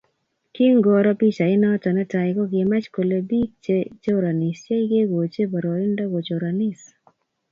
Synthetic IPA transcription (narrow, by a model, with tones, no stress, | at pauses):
ki˦ŋɡɔ˨ɾɔ˦pi˦t͡ʃa˨ɪ˦nɔ˦ta˨nɛ˦ta˨ɪ˨ɡɔ˦ɡɪ˨ma˦t͡ʃko˨le˨bi˦k̚t͡ʃe˦t͡ʃe˦o˦ɾa˨ni˨st͡ʃe˦jɡe˦ɡo˨t͡ʃe˦bɔ˨ɾɔ˨ɪ˦ndɔ˦ɡo˨t͡ʃo˨ɾa˨ni˦s